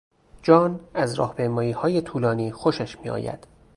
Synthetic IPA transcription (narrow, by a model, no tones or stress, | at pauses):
d͡ʒɒːnæzɾɒ̰ːhpejmɒːiːhɒːje̞t̪ʰuːlɒːniːxoʃæʃmiːɒ̰ːjæ̰d̪̥